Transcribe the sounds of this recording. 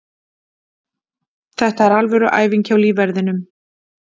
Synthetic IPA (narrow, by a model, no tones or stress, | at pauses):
θɛht̪aɛɾalvɛɾʏʔa̰ːjviɲcʰawlivɛɾðɪnʏm